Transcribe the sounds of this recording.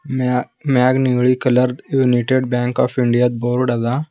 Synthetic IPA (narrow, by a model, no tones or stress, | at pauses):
maɡniɡɭiːkələɾd̪juniʈeɖbãŋkɔ̰ːfiɳɖijat̪̚boːɾɽaza